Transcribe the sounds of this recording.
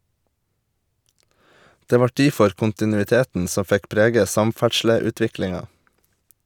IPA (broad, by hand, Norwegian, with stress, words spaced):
ˈdeː ˈʋɑ ˈʈiːfɔɾ kʊntɪnʉɪˈteːtn̩ ˈsɔ ˈfɛk ˈpɾeːɡə ˈsɑmˌfæʈʃləʉːˌtʋɪklɪŋɑ